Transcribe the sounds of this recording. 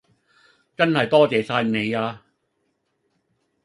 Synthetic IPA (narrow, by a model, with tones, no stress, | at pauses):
t͡sɐ˥nhɐ˨jt̪ɔː˥˩t͡ɕɛː˨˩saː˧jne˨˦jaː˧